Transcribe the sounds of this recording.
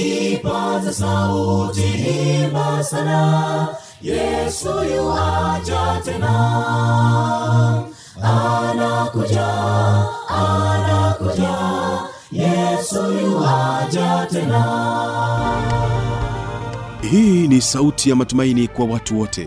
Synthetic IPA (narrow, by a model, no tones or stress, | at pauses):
ipazasautiibasana | jɛsujuad͡ʒatɛna | anakud͡ʒa | anakud͡ʒa | jɛsujuad͡ʒatɛna | hiːnisautʰijamatumainikwawatuwɔtʰɛ